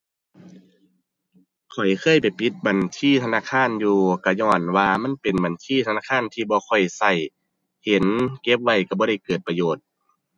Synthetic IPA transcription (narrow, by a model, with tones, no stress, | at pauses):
kʰɔ˨˩jkʰɤː˧˥˨jpa˨jpʰi˧˦t̪̚ba˨˩ntʰiː˧˥˨t̪ʰa˧naː˧˥˨kʰaː˧˥˨njuː˧ka˧˩ɲɔː˧˩nwaː˧ma˧˥˨npe˨nba˨˩ntʰiː˧˨t̪ʰa˧naː˧˥˨kʰaː˧˥˨nt̪ʰiː˧bɔː˧kʰɔ˨˩jsa˧˩j | he˨˦nke˧˦˥p̚wa˧˩jka˧˩bɔː˧ɾa˧˥˩jkɤː˨˩t̪̚pa˧joː˨˩t̪̚